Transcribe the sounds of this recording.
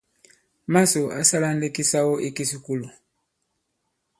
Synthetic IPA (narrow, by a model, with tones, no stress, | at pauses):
ma˦so˨a̰˨sa˦la˦n̩˦de˦ki˦sa˦wo˦ʔi˦ki˦su˨ku˦lu˨